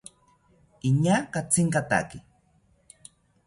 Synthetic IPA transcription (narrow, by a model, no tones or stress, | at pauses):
iɲakat͡sɪŋkat̪a̰kɪ